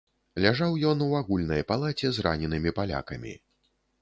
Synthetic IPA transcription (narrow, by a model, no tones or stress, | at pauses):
lʲaʐawjɔnuaɣulʲnɐjpalˠat͡sʲɛzra̰nʲɛnɨmʲipalʲa̰kɐmʲḭ